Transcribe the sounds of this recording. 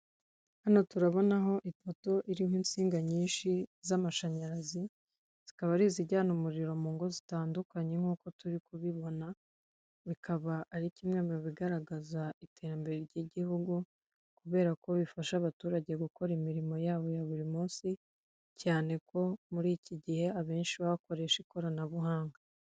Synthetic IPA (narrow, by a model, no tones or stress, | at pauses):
hano̞tuɾaβo̞naɦo̞ʔito̞to̞ʔiɾihwiːnt͡siːŋɡaɲiːnʃizamaʃaɲaɾazi | z̥ikaβaɾiːziɟaːnumuɾiɾo̞muːŋɡo̞zitaːndukaɲe̞ŋ̥uːko̞tuɾikuβiβo̞na | βikʰaβaːɾicimŋeːmioβiɡaɾaɡazaite̞ɾambe̞ɾeɾɟiɟihuɡu | kuβe̞ːɾako̞βifaʃaβatuːɾaɟe̞ɡuko̞ɾimiɾimo̞jaːβo̞jaβuɾimuːnsi | caːne̞ko̞muɾiːciɟihe̞aβe̞ːnʃiβaβako̞ɾe̞ʃiko̞ɾanaβuɦaːŋɡa